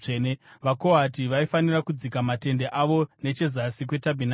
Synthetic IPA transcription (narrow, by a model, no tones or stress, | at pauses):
eneʋako̞atiʋaifanirakud͡zikamate̞nde̞ʔaʋo̞ne̞t͡ʃe̞zasikwe̞tabʱina